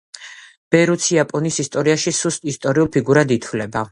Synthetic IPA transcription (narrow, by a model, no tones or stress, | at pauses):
b̥ɛɾut̪sʰiapʼɔnisist̪ʼɔɾiaʃisust̪ʼist̪ʼɔɾiulˠpʰiɡuɾad̪it̪ʰvlɛba